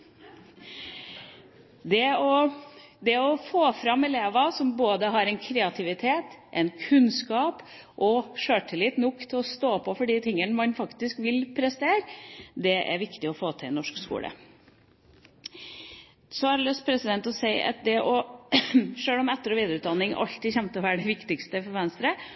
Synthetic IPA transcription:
d̪ɛɔd̪ɛɔfoːfɾɑmːɛleːʋɑsɔmboːd̪əɦɑɾɛɪnkʰɾɛːɑt̪ʰɪʋɪt̪ʰeːt̪ʔɛ̰ɪnkʰʉnskɑːp | ʔɔʂøːʈʰɪlɪt̪nʊkːt̪ʰɪlɔst̪oːpʰɔfɔɖiːt̪ʰɪŋːənəmɑnfɑkt̪ɪskʋɪlpʰɾɛst̪eːɾd̪ɛʔæ̰ɾʋɪkt̪ɪɔfoːt̪ʰɪlnɔʂkskṵːlə̰ | sɔɑɾlœst̪̚pʰɾɛsɪd̪ɛnt̪ɔsæɪʔɑ̰t̪̚d̪ɛʔɔ | ʂøːlɔmɛt̪ːəɾɔʋiːd̪ɾʉːt̪d̪ɑnːɪŋʔɑ̰lt̪ɪçɛmt̪əɔʋæːɖɛʋɪkt̪ɪkst̪əfɔɾʋɛnst̪ɾə

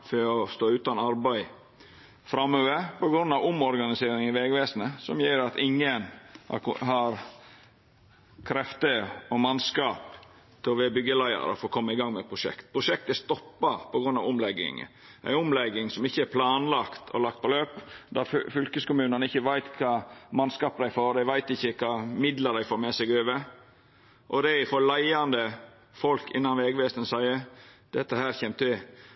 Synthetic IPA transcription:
føɔst̪oːʉːt̪ɑnɑɾbæɪ | fɾɑmøːʋəpɔɡɾʉnːɑʋʊmɔɾɡɑnɪseːɾɪŋɪʋɛɡʋeːsnəsɔmjeːɾɑt̪ɪŋːən̰ | ɦɑɾ | kʰɾɛft̪əɔmɑnskɑːp | t̪ʰɪlɔʋɛːɑbʏɡːəlæɪɑ̰ɾəfoːkʰɔmːəɪɡɑŋmɛt̪̚pʰɾʊʂɛ̰kt̪̚pʰɾʊʂɛk̚t̪æst̪ɔpːɑpʰɔɡɾʉnːɑ̰ʋʊmlɛɡːɪ̰ŋ̰ | ʔæ̰ɪʊmlɛɡːɪŋsɔmɪçːəæɾpʰlɑːnlɑkt̪ʰɔ̰lɑk̚t̪̚pʰɔløːpd̪ɑffʏlkəskʊmʉːnənəɪçːəʋæɪt̪kʰɑːmɑnskɑːpd̪æɪfoːɾd̪æɪʋæɪt̪ɪçːəkʰɑːmɪd̪ləɾd̪æɪfoːɾmɛsɛɡøːʋə | ʔɔd̪æɪfoːɾlæɪɑnd̪ə | fɔlkʰɪ̰nːɑmʋeːɡʋɛst̪ənsæɪəd̪̥ɛt̪ːəhæːɾçɛmt̪ɪ

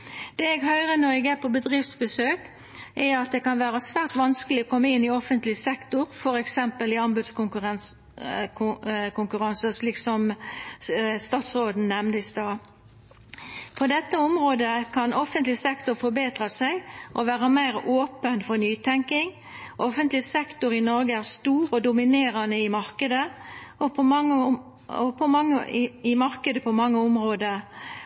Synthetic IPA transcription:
d̪̥ɛːɛɡhœʏʁənɔɛɡæpʰɔbəd̪ʁɪft̪sbəsøːk | ʔɛɑt̪̚d̪ɛkɑnʋæːʁəsʋæːʁt̪ʋɑnskəlɪɔkʰɔmːəɪnːɪɔfənt̪lɪsɛkt̪ʊɾfɔɾɛksɛmpəlɪɑmbʉd̪skʊkʁ | kʊŋkʉɾɑnsəsliːksɔm | st̪ɑːt̪sʁoːd̪n̩nɛmnəɪst̪ɑː | pʰɔd̪ɛt̪ːəʊmʁoːd̪əkʰɑnʔɔfənt̪lɪsɛkt̪ʊɾfɔɾbeːt̪ʁɑsæɪʔɔʋæːʁəmæɪɾoːpənfɔʁnyːt̪ʰɛŋkɪŋ | ʔɔfənt̪lɪsɛkt̪ʊɾɪnɔɾɡəæʁst̪uːɾɔd̪ʊmɪneːɾɑnəɪmɑʁkəd̪əɔpʰɔɑə | ɔpʰɔmɑŋːə̰ɪmɑʁkəd̪əpʰɔmɑŋːəʊmʁoːd̪ə

